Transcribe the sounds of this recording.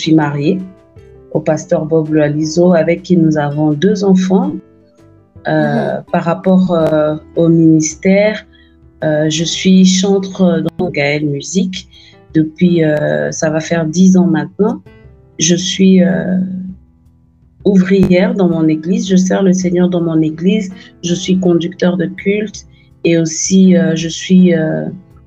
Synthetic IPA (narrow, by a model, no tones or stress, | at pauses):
ʒəsɥimaʁje | opast̪œʁbɔbləalizoavɛkːinuzavɔ̃d̪øzɑ̃fɑ̃ | øpaʁːapɔʁøominist̪ɛʁ | øʒəsɥiʃɑ̃t̪χəd̪ɑ̃ɔ̃ɡaɛlmyzik | d̪əpɥiøsavafɛʁd̪izɑ̃mɛ̃t̪nɑ̃ | ʒəsɥiø | uvʁijɛʁd̪ɑ̃mɔ̃neɡlizʒəs̬ɛʁləsɛɲœʁd̪ɑ̃mɔ̃neɡlizʒəsɥik̬ɔ̃d̪ykt̪œʁd̪əkʲʰylt̪ | eosiøʒəsɥiø